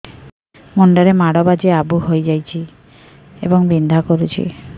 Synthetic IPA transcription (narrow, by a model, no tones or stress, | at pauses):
moɳɖɔɾemaɽɔbad͡ʒeabuɦojd͡ʒajt͡ʃʰi | ḛbɔŋbind̪ʱakɔɾut͡ʃʰḭ